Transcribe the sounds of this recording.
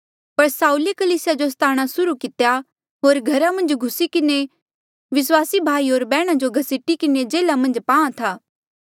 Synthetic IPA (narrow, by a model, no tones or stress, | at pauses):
pɐɾsaːuːlekɐliːsɪjad͡ʒost̪ʰaːɽ̃asʊɾukɪt̪ja | ɦoːɾɡʱɐɾãmɐ̃nd͡ʒɡʱʊsikɪne | ʋɪswaːsibʱaːiɦoːɾbɛːɽ̃ad͡ʒoɡʱɐsɪʈikɪned͡ʒeːlamɐ̃nd͡ʒpãːãt̪ʰaː